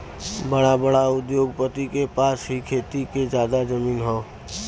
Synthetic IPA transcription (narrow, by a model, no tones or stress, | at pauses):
bəɽabəɽaʊd̪joːɡpət̪ikepaːsɦikʰeːt̪ikezjaːd̪ad͡ʒəmiːnɦɔː